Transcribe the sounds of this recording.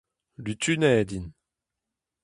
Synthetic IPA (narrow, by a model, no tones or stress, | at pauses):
lyt̪ynɛːd̪in